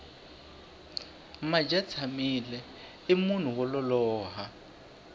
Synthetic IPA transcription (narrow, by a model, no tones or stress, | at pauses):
mad͡ʒat͡sʰamilɛ | ɪmun̤uwɔlɔlɔːɦa